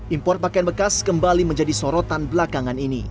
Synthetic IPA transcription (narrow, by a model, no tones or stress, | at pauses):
ʔimpɔrt̪̚pakajanbəkaskəmbaliməɲd͡ʒadisoɾot̪anbəlakaŋaninḭ